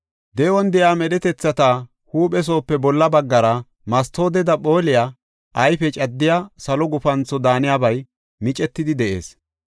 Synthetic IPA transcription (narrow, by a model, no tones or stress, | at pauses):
d̪ɛwɔnd̪ɛjaːmɛɗɛt̪ɛt͡sːɐt̪a | huːpɛs̬o̞ːpːɛbɔlːɐbɐɡːɐɾɐ | mɐst̪oːd̪ɛd̪ɐpʼo̞ːlɪjaː | ʔɐjfɛt͡ʃʼɐd̪ːɪjaːsɐlɔɡʊfɐnt͡sːɔd̪aːnɪjabɐj | mɪt͡ʃʼɛt̪ːɪd̪ɪd̪ɛʔe̞̰ːs